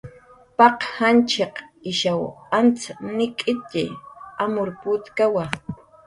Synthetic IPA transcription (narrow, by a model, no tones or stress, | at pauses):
pɑqhant͡ʃeqɪʃawant͡snɪkʼɪt̪ɪ̰amʊɾpʊt̪kawa